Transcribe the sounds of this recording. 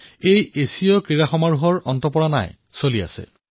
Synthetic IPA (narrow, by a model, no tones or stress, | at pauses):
ejesiɔkɹiɹaxɔmaɹuɦɔɹɔntɔpɔɹana̰j | solia̰sɛ̰